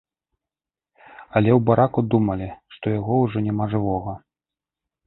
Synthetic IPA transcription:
ɐlʲɛwbaɾakud̪umɐlʲiʂt̪ɔjaɣɔwʐɔnʲɛmaʐɨvɔɣɐ

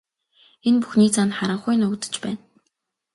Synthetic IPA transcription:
enpu̥xniːt͡sʰanχaɾə̆ɴχʊjnʊkt̪ə̥̆t͡ɕpæːn

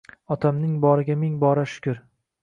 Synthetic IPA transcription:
ɒt̪ʰamnɪŋbɒɾɪɡʲamɪŋbɒɾaʃʊ̥kʲʰʊɾ

